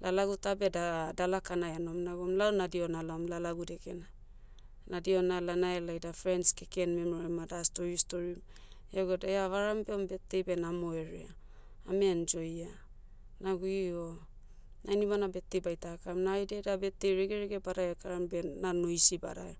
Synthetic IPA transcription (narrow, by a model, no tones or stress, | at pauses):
lalaɡutabe̞dadalakanajano̞mnaɡuomlaonadio̞nalaomlalaɡude̞ke̞na | nadio̞nalanaelajdafɾenskeke̞nmemoɾemadastoɾistoɾim | jaɡedaeaβaɾambe̞ombe̞tːe̞jbenamoe̞ɾḛa | amend͡ʒo̞ja | naɡuio | najnibanabe̞tːejbajtakamnajdedabe̞tːejɾeɡeɾeɡe̞baɾaeakaɾambe̞nanojsiba̰ɾa̰o